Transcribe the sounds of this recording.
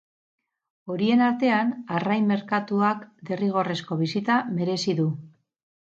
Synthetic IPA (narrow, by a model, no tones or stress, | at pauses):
o̞ɾie̞naɾt̪e̞anarajme̞ɾkat̪uakd̪e̞riɣ̞o̞re̞sko̞β̞isit̪ame̞ɾe̞siðu